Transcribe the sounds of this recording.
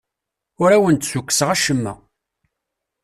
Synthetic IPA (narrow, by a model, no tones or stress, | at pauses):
ʊɾæwənt̪sukʷːsəʁæʃəmːæ̰